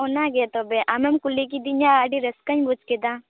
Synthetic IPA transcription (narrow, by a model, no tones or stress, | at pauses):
onaɡet̪obeʔamemkulːik̬id̪iɲaaːɖiɾɐskɐɲbut͡ʃked̪a